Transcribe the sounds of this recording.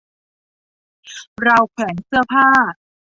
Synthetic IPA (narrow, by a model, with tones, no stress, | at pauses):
ɾa˧wkʰwɛː˩˦nsɯ˥˩ɐpʰaː˥˩t̪̚